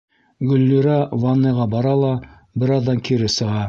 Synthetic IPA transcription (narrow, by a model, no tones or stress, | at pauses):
ɡɵ̆lːiɾɑvɑnːɤʁɑbɑɾɑlˠɑ | bɘɾɑðːɑŋkʰiɾɘsɤ̆ʁɑ